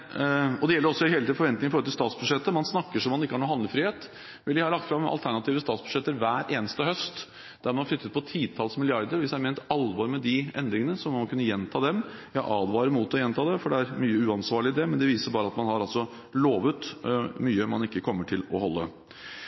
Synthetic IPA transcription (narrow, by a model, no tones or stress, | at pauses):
ɔd̪ɛjɛlːəɾɔsːɔɪɦeːləid̪fɔɾʋɛnt̪nɪŋɪfɔɾɔlt̪ɪlst̪ɑːt̪sbʉʂɛt̪ːəmɑnsnɑkːəʂɔmːɑnɪkːəhɑɳuːhɑnd̪əfɾiːheːt̪ | ʋɪlɪhɑlɑkt̪fɾɑmɑ̰lt̪ʰæɳɑt̪iːʋəst̪ɑːt̪sb̥ʉ̥ʂɛt̪ːəɾʋæːɾʔeːnəst̪əɦœst̪ | d̪̥æɾmɛnɑflʏt̪ːət̪̚pʰɔt̪ʰiːt̪ʰɑlsmɪlɪɑɾd̪əɾʋɪsæɪɾmɛːnt̪ɑlʋɑːɾmɛd̪ɪʔɛnd̪ɾɪŋənəsɔmːɔkʰʉnːəjɛnt̪ʰɑːd̪ɛmjɑʔɑːd̪ʋɑːɾəmut̪ɔjɛnt̪ʰɑːd̪ɛfɔɖɛæɾmyːəʉːɑnsʋɑːɭɪɪd̪ɛmɛnd̪ɛʋiːsəbɑːɾəɑt̪mɑnhɑɾɑlsɔ | loːʋət̪myːəmɑ̰nɪkːəkʰɔmːəʈʰɪlɔhɔlːə̰